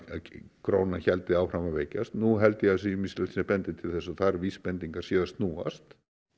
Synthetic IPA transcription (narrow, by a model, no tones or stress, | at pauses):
kɾoːwnaçɛlt̪ɪaːwfɾamaveːjcast̪nuɦɛlt̪ɪjɛasimist̪lɛlsnapɛnt̪ɪt̪ʰɪlθɛsːaθaɾviːspɛnt̪iŋkḁsjɛːðast̪nuːa̰st̪